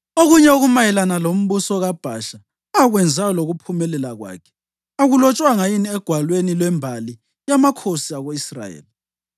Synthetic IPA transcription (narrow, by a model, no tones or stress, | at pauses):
oɣuɲɛuɣumajɛlanalom̩βusɔɣab̥ʱaʃa | aɣwɛnd͡zʱaɔloɣupʰumɛlɛlaɣwa̰ːkʰɛ̥ | aɣulɔt͡ʃʼwaŋajiniɛɡ̥ʱwalwenilwɛmbʱali | jamakʰosiaɣoisra̰jḛːli